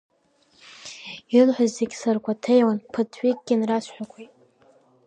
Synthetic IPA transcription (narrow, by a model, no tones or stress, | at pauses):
iɨlħʷᶣazzeɡʲsarkʷʰatʰejwanpʰɨtʰwʷiɡ̚ʲɡʲɪnrasʷʰħʷᶣakʷʰijtʼ